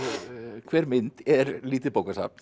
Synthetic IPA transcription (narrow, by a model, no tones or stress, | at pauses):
kʰʋɛɾmɪnt̪ʰæɾliːt̪əpokəsɑ̰p̚t̪